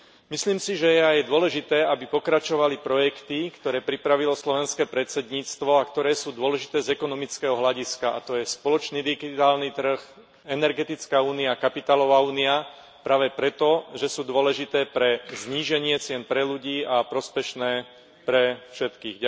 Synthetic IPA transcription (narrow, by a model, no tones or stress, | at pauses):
misliːmsiʒɛjɛajd̪ʊɔlɛʒit̪ɛːabipɔkɾat͡ʃɔʋalipɾɔjɛkt̪ikt̪ɔɾɛːpɾipɾaʋilɔslɔʋɛnskɛːpɾɛt̪t͡sɛd̪ɲiːt͡st̪ʋɔakt̪ɔɾɛːsuːd̪ʊɔlɛʒit̪ɛːzɛkɔnɔmit͡skɛɦɔɦlaɟiskaʔa̰t̪ɔjɛspɔlɔt͡ʃniːd̪iɡit̪aːlnit̪r̩x | ɛnɛɾɡɛt̪it͡skauːniakapit̪aːlɔʋaːuːnia | pɾaːʋɛpɾɛt̪ɔʒɛsuːd̪ʊɔlɛʒit̪ɛːpɾɛzɲiːʒɛɲɪɛt͡sɪɛnpɾɛluɟiːapɾɔspɛʃnɛː | pɾɛfʃɛt̪kiːɣ